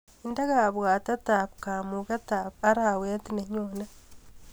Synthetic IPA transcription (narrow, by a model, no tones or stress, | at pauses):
indaɣaβwaːtatapkamukatapaɾaweatineɲona